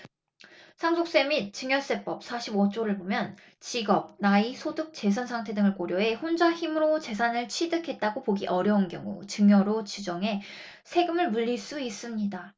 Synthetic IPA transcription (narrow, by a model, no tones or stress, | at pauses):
sʰaŋsʰok̚s͈e̞mit̚t͡ɕɯŋjʌs͈e̞p͈ʌp̚sʰaɕʰibʌt͡ɕ͈oɾɯɭbomjʌn | t͡ɕiɡʌb̚naisʰoduk̚t͡ɕe̞sʰansʰaŋtʰe̞dɯŋɯɭkoɾjʌɦe̞ɸond͡ʑaçimɯɾot͡ɕe̞sʰanɯɭt͡ɕʰidɯkʰe̞t̚t͈aɡopoɡiʔʌɾjʌunkjʌŋṵt͡ɕɯŋjʌɾot͡ɕid͡ʑʌŋe̞ | sʰe̞ɡɯmɯɭmuʎːiɭs͈uis͈ɯmɲida